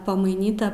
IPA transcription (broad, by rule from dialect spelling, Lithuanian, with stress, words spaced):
pɐmɐɪˈnʲiːtɐ